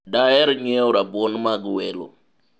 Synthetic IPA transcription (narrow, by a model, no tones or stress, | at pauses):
dajɛɾɲeuɾabonmaɡuwɛlo̰